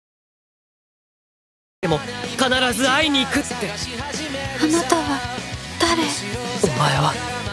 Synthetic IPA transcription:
d̪e̞mo̞kanaɾazɨaiɲ̟iːkɯ̟t̪ːe̞ | anat̪aβad̪̥aɾeomae̞βa

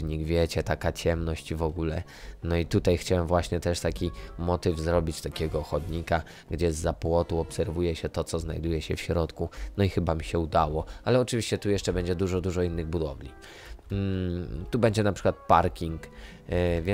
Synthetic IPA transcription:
ɲiɡvʲjɛt͡ɕɛt̪akat͡ɕɛmnɔɕt͡ɕivɔɡulɛ | nɔit̪ut̪ajxt͡ɕawɛmvwaɕɲɛt̪ɛʂt̪akʲimɔt̪ɘvzɾɔbʲit͡ɕt̪akʲɛɡɔːxɔd̪ɲika | ɡd͡ʑɛzːapwɔt̪uɔpsɛɾvujɛɕɛt̪ɔt̪sɔzna̰jd̪ujɛɕɛfɕɾɔt̪kunɔixɘbamʲiɕɛud̪awɔalɛɔt͡ʂɘvʲiɕt͡ɕɛt̪ujɛʂt͡ʂɛbɛɲd͡ʑɛd̪uʐɔd̪uʐɔinːɘɣbud̪ɔvlʲḭ | t̪ubɛɲd͡ʑɛnapʂɘ̥kwat̪̚paɾkʲiŋk | vʲjɛ

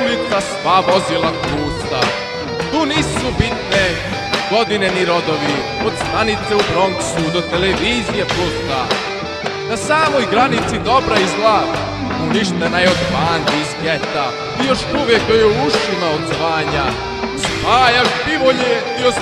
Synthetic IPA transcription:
nit̪sasʋaʋo̞zilˠat̪ɾuːst̪a̰ | t̪uːniːsubit̪ne | ɡ̥o̞d̪ineniɾo̞d̪oʋi | o̞d̪st̪anit̪seubɾo̞ŋksud̪o̞t̪eleʋiːzijeplust̪a | nasaːmojɡɾanit̪sid̪o̞bɾaizɡlˠat̪ | uniʃt̪enajɛod̪maːnd̪iizɡet̪a | ijo̞ʃuʋjekjojuuʃimaod̪zʋaːɲa | spaːjaʃbiʋoʎe | ios

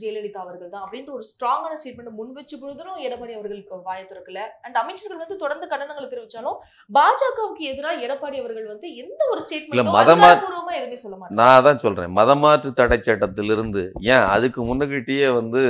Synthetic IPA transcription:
d͡ʒɛjlɐɽit̪ːaːʋɐɾɣɐɭt̪ãːɐpːɐɽɪnrɯɔɾɯsʈɾaːŋɡaːnɐsʈeːʈ̚mɛɳɖmʊnʋɛt͡ʃːɯpːɔɻɯðɯlʊ̃ɛɽɐpːaːɽiɐʋɐɾɣɐɭɯkːɯʋaːjɐt̪ːɯɾɐkːɪlɐɐɳɖɐmɐɪt͡ʃːɐɾɣɐɭʋɐnd̪ɯt̪ɔɽɐɾnd̪ɯkɐɳːɐnɐŋɡɐɭt̪ːɪɾɪʋɪt͡ʃːaːlʊ̃ | baːd͡ʒaːkɐʋkːɯɛðɯɾaːɛɽɐpːaːɽiɐʋɐɾɣɐɭʋɐnd̪ɯɛnd̪ɐɔɾɯsʈeːʈmɛlːɐmɐðɐmaːpuːɾɯʋɐmaːɛðɯmeːsɔlːɐmaːʈːɐnãːt̪ãːsɔlɾḛ̃ːmɐðɐmaːʈrɯt̪ɐɽɐt͡ʃːɐʈːɐt̪ːɪlɪɾɯnd̪ɯjẽːɐ̰ðɯkːɯmʊnːɐkɪʈːɪjeːʋɐnd̪ɯ

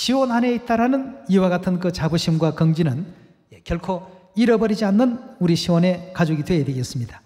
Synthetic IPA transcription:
ɕʰiwʌnane̞it͈aɾanɯniwaɡatʰɯnkɯt͡ɕabɯɕʰimɡwakʌŋd͡ʑinɯn | ekjʌɭkʰoiɾʌbʌɾid͡ʑianːɯnuɾiɕʰiwʌne̞kad͡ʑoɡidwe̞edeɡijʌs͈ɯmɲidḁ

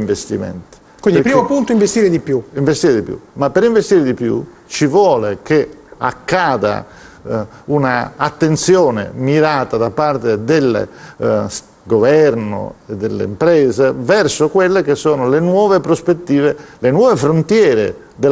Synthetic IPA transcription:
ɱvest̪ḭmɛ̰nt̪i̥ | kwinipɾiːmopunt̪oiɱvest̪iːɾed̪ipjuiɱvest̪iːɾed̪ipjṵmapːeɾiɱvest̪iːɾed̪ipjṵ | t͡ʃivwɔːlekea̰kːaːd̪a̰ | unaat̪ːent̪sjɔːnḛmiɾaːt̪ad̪apːart̪ed̪elːḛ | ɡovɛɾno̰ed̪ːelːḛimpɾɛːzevɛrsokwelːekesːɔːnolenwɔːvepɾospet̪ːiːvelenwɔːvefɾont̪jɛːɾḛ | d̪el

